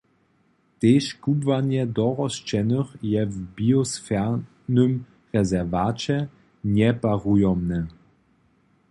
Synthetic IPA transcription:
t̪eʃkubvaɲɛd̪ɔʁɔʃt͡ʃɛnəxjɛvbiɔsfɛ | nøm | ʁɛzɛʁvat͡ɕɛ | ɲɛpaʁujɔmnɛ

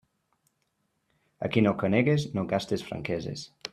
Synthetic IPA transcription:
a̰kinokəneɣeznoɡast̪esfɾa̰ŋkɛzḛs

